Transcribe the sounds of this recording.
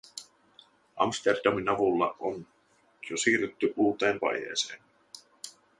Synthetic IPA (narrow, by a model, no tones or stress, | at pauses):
ʔɑ̰mst̪erdɑminɑʋulːɑ̰ʔon | josiːryt̪ːyʔuːt̪ˑe̞ːnpɑ̰jḛːseːn